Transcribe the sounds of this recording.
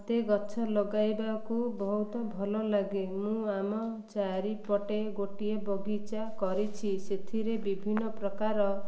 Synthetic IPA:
t̪eɡɔt͡ʃʰɔlɔɡajbakubɔɦut̪ɔbʱɔlɔlaɡemũamɔt͡ʃaɾipɔʈeɡoʈiebɔɡit͡ʃakɔɾit͡ʃʰiset̪ʰiɾebibʱinːɔpɾɔkaɾɔ

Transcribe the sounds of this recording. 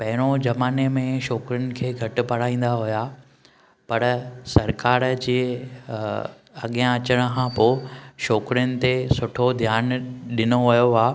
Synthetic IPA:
pɐɦɪɾ̃od͡ʑɐmaːnemẽʃɔːkɾɪjʊnɪ̆kʰeːɡʱɐʈʊ̆pɐɽ̤aːĩːn̆d̪aɦʊja | pɐɾsɐɾkaːɾd͡ʑeː | ɐ̰ɠijãɐt͡ɕəɽ̃ə̆kʰãpoːʃɔːkɾɪjʊnɪ̆t̪esʊʈʰod̪ʱjaːnɗɪnoʋɐjoaː

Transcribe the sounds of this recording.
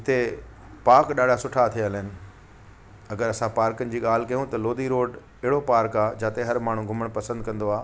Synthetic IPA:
ɪt̪e | paːɾkɗaːɖʱasʊʈʰat̪ʰiəlɦɪnɪ̆ | ɐɡəɾɐsãpaːɾkənɪ̆d͡ʑiːɠaːl̤ɪkɐjũt̪ɐloːd̪iɾoːɖ | ɪɦɪɽopaːɾkaːd͡ʑaːt̪eɦɐɾmaːɳ̤ũɡʱʊməɽ̃pɐsə̃nd̪̚kɐ̃nd̪oaː

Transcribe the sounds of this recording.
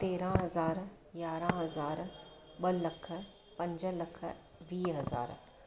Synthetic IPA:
t̪eːɾãɦɐzaːɾ | jjaːɾãɦɐzaːɾ | ɓɐlɐkʰ | pɐ̃ɲd͡ʒəlɐkʰ | ʋiːɦɐza̰ːɾ

